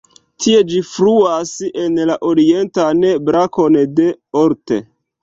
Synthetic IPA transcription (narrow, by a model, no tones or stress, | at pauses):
tʰie̞d͡ʒifluasenlaʔoɾie̞ntanebɾako̞nde̞oɾtḛ